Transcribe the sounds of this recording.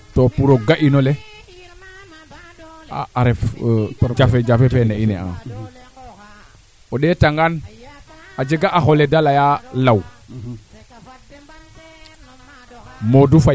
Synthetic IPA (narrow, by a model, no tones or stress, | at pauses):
topuɾoɡaʔinole | a̰ːɾɛf | d͡ʒafed͡ʒafepeneinea̰ | oɗetaŋɡan | ad͡ʒeɡaʔaxoledalajalaw | modufa